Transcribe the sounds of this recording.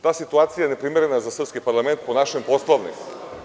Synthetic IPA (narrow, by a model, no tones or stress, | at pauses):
t̪aːsit̪uat̪sijaɛnɛpɾimɛɾɛnazasr̩pskipaɾlˠamɛnt̪̚ponaʃɛmpɔslˠavnḭ